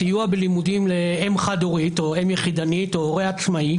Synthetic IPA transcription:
ijuabelimud̪imleemχad̪oʁit̪o̞emjeχid̪anitoːʁeat͡smai

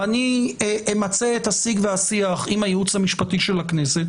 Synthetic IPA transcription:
ani | mat͡seethasiɡveasiaχimajeut͡shamiʃpatiʃe̞lakne̞se̞t̪

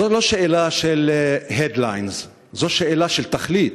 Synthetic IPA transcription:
oloʃeelaʃelɦed̪lajnz | zoʃeelaʃelt̪aχlit̪

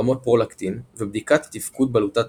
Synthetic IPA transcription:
amo̞t̪̚pʁolakt̪invebd̪ikat̪ːifkud̪̚balut̪at̪

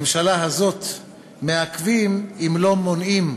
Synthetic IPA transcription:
mʃalaɦazo̞t̪ | me̞akvimimlo̞mo̞nim

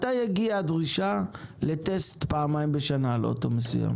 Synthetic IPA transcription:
t̪ajaɡiadʁiʃale̞te̞stpaːmaimbeʃanalʔo̰to̞̰mesṵja̰m

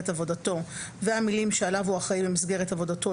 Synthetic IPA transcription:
etavo̞dato̞veamilimʃealavuaχaibemisɡeʁetavo̞dato̞

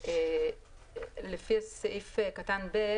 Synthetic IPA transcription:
e | lefiaseʔifekatanbe

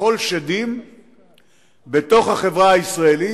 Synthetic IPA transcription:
o̞lʃad̪im | be̞t̪o̞χhaχe̞vʁahaisʁaeli

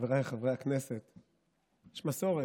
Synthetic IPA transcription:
veʁajeχavʁeakneset̪ | jeʃmaso̞ʁe

